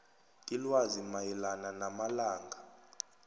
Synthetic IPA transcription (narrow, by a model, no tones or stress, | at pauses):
ilwazimajɛlananamalaːŋʱa